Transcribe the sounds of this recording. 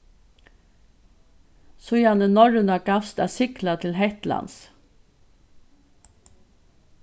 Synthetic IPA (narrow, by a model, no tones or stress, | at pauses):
sʊʏjɑnənɔɹənɑɡɑst̪ɑ̰ːsʏklɑt̪ʰɪlhɛt̪lɑ̰ns